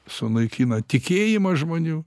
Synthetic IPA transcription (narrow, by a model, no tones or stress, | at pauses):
sʊnɐɪkʲinɐt̪ʲɪkʲeːjɪmɐʒmoːnʲuː